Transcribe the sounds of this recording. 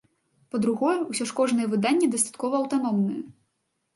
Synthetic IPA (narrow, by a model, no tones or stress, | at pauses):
pɐd̪ɾuɣɔjɛwsʲɔʂkɔʐnɨjɛvɨd̪anʲːɛd̪ɐst̪ḁt̪kɔvɐɐwt̪anɔmnɨjɛ